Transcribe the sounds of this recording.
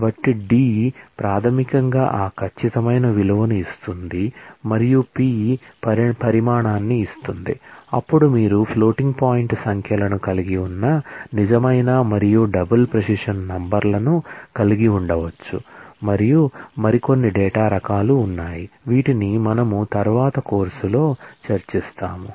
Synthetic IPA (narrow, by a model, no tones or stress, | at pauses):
ʋɐʈːiɖiːpɾaːt̪ʰɐmikɐŋɡa̰ːʔaːkʰɐt͡ʃːit̪ɐmɐjnɐʋilɐʋɐnuist̪und̪imɐɾijupiːpɐpɐɾimaːɳaːnːiːst̪und̪iɐpːuɽumiːɾupʰlo̞ːʈiŋɡpaːjiɳʈsɐŋkʰɐlɐnukɐliɡiunːɐnid͡ʒɐmɐjnaːmɐɾijuɖɐbɐlpɾɐsiʂɐnːɐmbɐɾlɐnukɐliɡiuɳɖɐʋɐt͡ʃːṵmɐɾijumɐɾiko̞nːiɖɛːʈaːɾɐkaːluːnːaːjiʋiːʈinimɐnɐmut̪ɐɾʋaːt̪ɐko̞ːɾsulo̞ːt͡ʃɐɾt͡ʃist̪aːmu